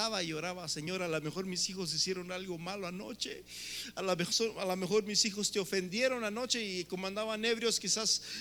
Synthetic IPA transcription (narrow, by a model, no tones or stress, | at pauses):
aβaioɾaβaseɲo̞ɾalamexo̞ɾmisixozisjeɾo̞nalɣo̞maloano̞̰t͡ʃe | alamexoalamexo̞ɾmisixost̪eofe̞nd̪je̞ɾo̞nano̞t͡ʃe̞ikomãnd̪aβane̞βɾjoskisas